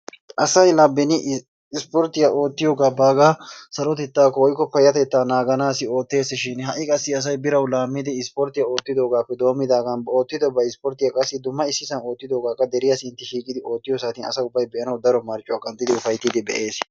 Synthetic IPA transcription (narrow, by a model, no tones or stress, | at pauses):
ʔɐsɐjlɐbːɛnɪ | ɪspɔɾt̪ːɪjaʔo̞ːt̪ːɪjo̞ːɡaːbaːɡaːsɐɾɔt̪ɛt̪ːaːkːɔwɔjkːɔpɐjːɐt̪ɛt̪ːaːnaːɡɐnaːsɪo̞ːt̪ːe̞ːsɪʃɪnɦɐʔɪkʼɐsːɪɐs̬ɐjbɪɾɐwlaːmːɪd̪ɪɪspɔɾt̪ɪjɐo̞ːt̪ːɪd̪o̞ːɡaːpːɛd̪o̞ːmːɪd̪aːɡɐnbo̞ːt̪ːɪd̪ɔbɐjɪspɔɾt̪ɪjakʼɐsːɪd̪ʊmːɐɪsːɪsɐno̞ːt̪ːɪd̪o̞ːɡaːkʼːɐd̪ɛɾɪjasɪnt̪ːɪʃiːkʼɪd̪ɪo̞ːt̪ːɪjos̬at̪ɪnɐ̰sɐʊbːɐjbɛʔɐnɐwd̪ɐɾɔmɐɾt͡ʃʼʊaːkʼɐnt̪ʼːɪd̪ɪʊfɐjt̪ːɪd̪ɪbɛ̰ʔe̞ːs